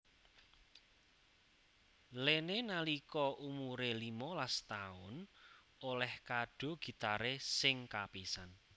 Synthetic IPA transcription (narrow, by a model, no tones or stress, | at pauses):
lenenalikɔʔumuɾelimɔlast̪aʊn | olɛhkaɖ̥o̤ɡ̥i̤t̪aɾesɪŋkapisan